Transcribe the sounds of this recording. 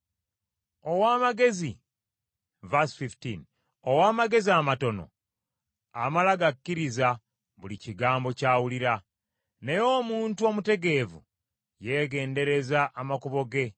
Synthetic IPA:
o̞waːmaɡe̞zi | vasfiftin | owaːmaɡe̞ziamato̞no̞̰ | amalaɡakːiɾiza | βuliciɡaːmbo̞caːwuliɾa | ne̞jo̞ːmuːntuomute̞ɡe̞ːvṵ | je̞ːɡe̞ːnde̞ɾe̞zaʔːmakuβo̞ɡe̞

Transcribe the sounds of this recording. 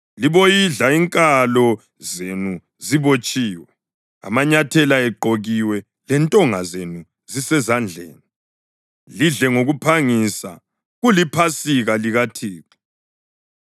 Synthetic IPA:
liβojiɮaiŋkʼalɔ | zenu | ziβot͡ʃʼiːwɛ | a̰maɲatʰɛlaɛɡ͡ǃʱoɣiwɛ | lɛntʼɔŋa̰zenu | zisɛzand͡ɮʱḛːni | liɮɛŋoɣupʰaŋisa̰ | ɣulipʰasiɣaliɣatʰiːǁi̥

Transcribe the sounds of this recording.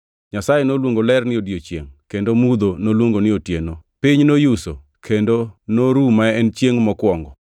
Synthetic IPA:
ɲasajenolwoŋɡolɛrnɪodjot͡ʃjḛŋkendomud̪onolwoŋɡonɪotjenopɪɲnojuso | kʰendonoɾumaɛnt͡ʃjeŋmɔkwɔŋɡɔ

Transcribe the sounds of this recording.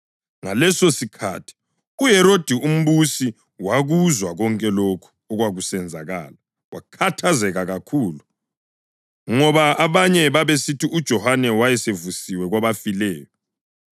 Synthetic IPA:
ŋalɛsosikʰa̰tʰi̥ | ujɛɾod̥ʱium̩βusi | waɣuzwaɣɔŋkʼɛlokʰu̥ɔɣwaɣusɛnd͡zʱaɣa̰ːla | wakʰatʰazɛɣaɣakʰuːlu | ŋɔβaaβaɲɛβaβesitʰiʔud̥ʒ̥ʱɔhanɛwajɛsevusiwɛɣwaβafilɛːjɔ

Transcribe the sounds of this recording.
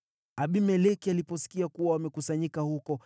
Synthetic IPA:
aɓimɛlɛkialipɔsi̥kiakuwawamɛkusaɲikahukɔ

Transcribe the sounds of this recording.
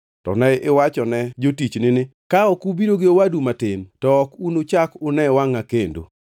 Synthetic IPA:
tɔ̰nɛʔɪwat͡ʃɔnɛd͡ʒotit͡ʃnɪnɪkaɔkubiɾoɡɪowadumatɪmtɔːkunot͡ʃakʊnɛwaŋakendo̰

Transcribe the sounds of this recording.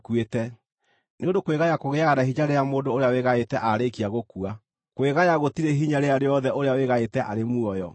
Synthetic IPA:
kwetɛ | neondokweɣajakoɣeaɣanaɦiɲaɾeamoːdoːɾeaweɣaetɛʔaɾekiaɣokua | koeɣajaɣotiɾeɦiɲaɾeaɾeɔðɛʔoɾeaweɣaetɛʔaɾemuɔjɔ̰

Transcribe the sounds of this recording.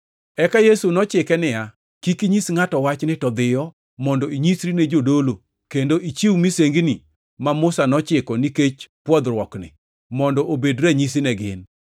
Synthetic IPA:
ɛkajesunɔt͡ʃɪkɛnɪja | kikiɲisŋatɔwat͡ʃnɪtɔd̪ɪjɔ | mɔndɔiɲisɾined͡ʒodolo | kendoʔit͡ʃiwmiseŋɡni | mamʊsanɔt͡ʃɪkɔniket͡ʃpwɔd̪rwɔknɪ̰ | mɔndɔʔobedɾɛɲis̬inɛɡɪ̰n

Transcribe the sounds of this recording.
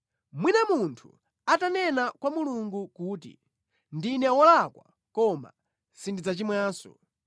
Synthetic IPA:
mwinamuntʰu̥ | atanɛnakwamuluŋɡukuːtḭ | ndinɛwɔlakwa | kɔma̰ | sindid͡zat͡ʃimwaːsɔ̰

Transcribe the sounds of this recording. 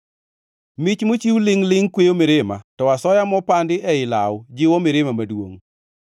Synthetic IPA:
mɪt͡ʃmot͡ʃiwlɪŋlɪŋkwejomɪɾema̰tɔwasɔjamɔpandɪʔɛɪla̰wd͡ʒɪwɔmɪɾemamadwoŋ

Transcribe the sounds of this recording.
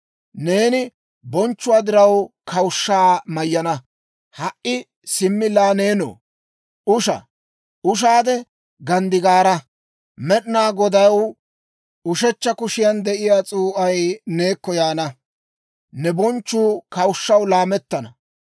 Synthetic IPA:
ne̞ːnɪ | bɔnt͡ʃːʊwaːd̪ɪɾɐwkʰɐwʊʃːaːmɐjːɐnɐ | hɐʔɪ | sɪmːɪlaːneːno̰ː | ʔʊʃɐ̰ | ʊʃ̬aːd̪ɛ | ɡɐnd̪ɪɡaːɾɐ | mɛɗnaːɡɔd̪ɐw | ʊʃɛt͡ʃːɐkʊʃɪjɐnd̪ɛʔɪjaːt͡sʼuːʔɐjne̞ːkːɔjaːnɐ | nɛbɔnt͡ʃːuːkɐwʊʃːɐwlaːmɛt̪ːɐnɐ

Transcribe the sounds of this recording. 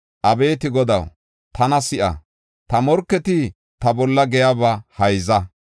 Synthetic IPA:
ʔɐbe̞ːt̪ɪɡɔd̪ɐ̰w | t̪ʰɐnɐsɪʔɐ̰ | t̪ɐmɔɾkːɛt̪ɪ | t̪ɐbɔlːɐɡɛjabɐhɐjzɐ

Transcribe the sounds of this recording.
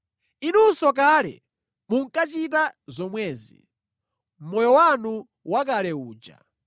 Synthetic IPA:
inusɔk̬alɛ̰ | muŋ̩kat͡ʃitazɔmwɛːzḭ | m̩mɔjɔwanu | wak̬alɛuːd͡ʒa̰

